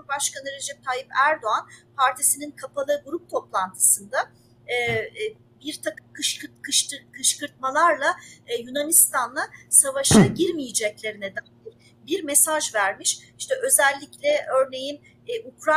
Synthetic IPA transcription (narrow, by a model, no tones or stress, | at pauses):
baʃkanɯɾe̞d͡ʒɛp̚t̪ʰaːjipæɾd̪o̞anpʰaɾt̪ʰisininkʰapʰalˠɯɡuɾup̚t̪ʰo̞plˠant̪ʰɯ̥sɯnd̪a | ɛː | biɾt̪ʰakɯmkʰɯʃɯkʰɯʃɯkʰɯʃkɯɾt̪̚malˠaɾlˠajunanist̪anlˠasavaʃaɟiɾmijid͡ʒɛclʲe̞ɾined̪ænʲiɾ | biɾme̞saʒvæɾmiʃiʃt̪ɛʔø̞zɛlʲːiclʲɛʔø̞ɾne̞jinː | ukɾa